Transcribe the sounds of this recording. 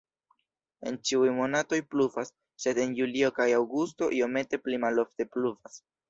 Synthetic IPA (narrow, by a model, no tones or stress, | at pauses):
e̞̰nt͡ʃiujmo̞nato̞jplufasː | e̞de̞njulio̞kajawɡusto̞̰ʔio̞me̞te̞plimalo̞fte̞plufas